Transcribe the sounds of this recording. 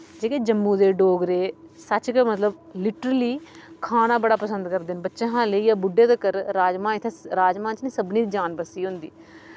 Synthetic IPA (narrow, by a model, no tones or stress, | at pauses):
d͡ʒeːkeːd͡ʒəmːũːd̪eːɖoːɡɾeːsət͡ʃkəmət̪ləblɪʈəɾəliːkʰaːnãːbəɽaːpəsənd̪kəɾd̪ɪnbətːʃãːɦãːləiːjaːbʊɖːeːd̪eːkəɾːaːd͡ʒmãːɪt̪ʰeːɾaːd͡ʒmãːnt͡ʃnĩːsəbniːd͡ʒaːnbəsiːɦʊ̃nd̪ḭː